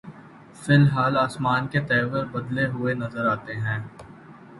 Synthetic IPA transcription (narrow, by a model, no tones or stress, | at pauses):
fɪlɦaːlaːsmaːnket̪ɛːʋəɾbɐd̪leɦʊenɐzəɾaːt̪eɦɛ̃ː